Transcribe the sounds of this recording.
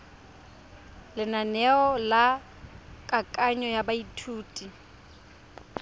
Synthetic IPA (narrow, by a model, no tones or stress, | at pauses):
lɪnanɛɔla | kʼakʼaɲɔjabaitʰuːtʼi